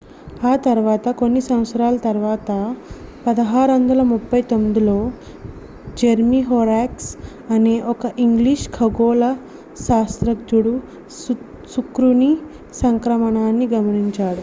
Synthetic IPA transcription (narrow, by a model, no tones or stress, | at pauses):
hat̪ɐɾʋat̪ɐkoɳːisɐ̃w̃sɾaːlt̪ɐɾʋaːt̪ɐpɐd̪ɐɦaːɾɐnd̪ɐlɐmupːɐjt̪omd̪ulo | d͡ʑeɾmiɦoɾaks | ɐneʔokɐʔiŋɡliːɕkʰɐɡolɐ | sast̪ɾɐk̚d͡ʒuɽu | sukɾuni | sɐŋkɾɐmɐɳanːiɡɐmɐɳiɲt͡ʃaːɽ